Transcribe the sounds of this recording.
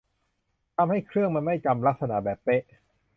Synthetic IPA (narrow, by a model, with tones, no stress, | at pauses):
t̪ʰa˧mha˥˩jkʰɾɯ˥˩əŋma˧nma˥˩jka˧mla˦˥k̚sa˧na˩˦˥bɛː˨˩pːe˦˥ʔ